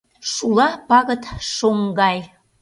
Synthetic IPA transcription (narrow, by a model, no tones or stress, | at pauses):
ʃulˠɑpɑɣə̆t̪ʃoŋɡɑj